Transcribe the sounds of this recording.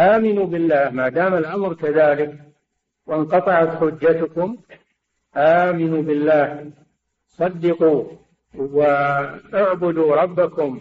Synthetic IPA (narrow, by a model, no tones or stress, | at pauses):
ʔaːmɪnuːbɪlːaːhmaːd̪aːmalʔamɾkaðaːlɪk | wɪnqɑt̪ˤɑʕat̪ħʊd͡ʒːat̪ʊkʊm | ʔaːmɪnuːbɪlːaːh | sˤɑd̪ːɪquː | waʔʊʕbʊd̪uːɾˤɑbːakʊm